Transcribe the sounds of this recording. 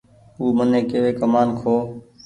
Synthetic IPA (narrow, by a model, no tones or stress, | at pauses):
uːmənẽːkeːʋeːkəmaːnkʰoː